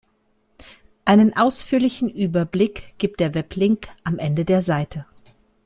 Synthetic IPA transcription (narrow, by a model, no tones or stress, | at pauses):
ʔaɪnənʔaʊsfyːɐlɪçn̩ʔyːbɐblɪkɡ̥iːp̚td̥eːɐvɛplɪŋkʔamʔɛndədeːɐzaɪtʰə